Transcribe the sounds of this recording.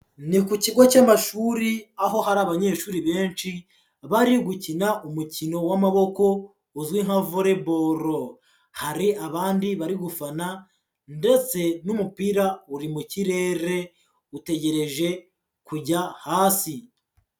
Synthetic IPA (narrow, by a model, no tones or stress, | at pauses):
nikuciɡo̞camaʃuɾiaɦo̞haɾaːβaɲe̞ːʃuːɾiβe̞ːnʃi | βaɾiɡucinaʔumucino̞wamaβo̞ko̞ | uzɡwiŋhavoɾe̞bo̞ɾo | haɾiaβaːndiβaɾiɡufana | nde̞t͡se̞numupiɾauɾimuciɾe̞ɾe̞ | ute̞ɟe̞ɾe̞ʒe̞ | kuɟahaːsi